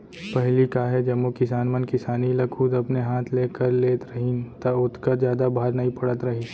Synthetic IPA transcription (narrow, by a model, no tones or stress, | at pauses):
pɐɦlikaɦɛd͡ʒɐmːokɪsaːnmənkɪsaːnilɐuːd̪ɐpneɦaːt̪ʰleːkəɾleːt̪ɾɐɦɪnt̪ɐʊt̪ʰkəɾd͡ʒjaːd̪abʱaːɾnɐɦĩpɐɽət̪ɾɐɦi